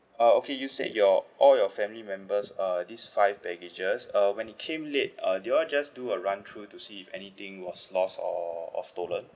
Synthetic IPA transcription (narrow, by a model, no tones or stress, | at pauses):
aokʰejusḛdjɔʔɔljɔfɛ̃mlimɛ̃mbəsʌdisfaɪvbɛɡed͡ʒəsʌwɛ̃nit̚kʰẽmlet̚ʌdeɔd͡ʒasduəɹãntʰɹutusiːfɛnit̪ɪ̃ŋwɔslɔsɔ̰ɔ̰stolə̃n